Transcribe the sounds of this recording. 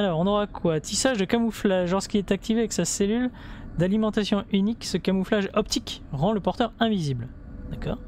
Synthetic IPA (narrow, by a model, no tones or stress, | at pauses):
alɔʁɔ̃nɔʁakwat̪ʰisaʒd̪əkamuflaʒlɔʁsə̥kʲiɛt̪ak̚t̪iveavɛksaselyl | d̪alimɑ̃t̪asjɔ̃ʔyniksəkamuflaʒɔpt̪ikʁɑ̃ləpɔʁt̪œʁɛ̃vizibl | d̪akɔ̰ːʁ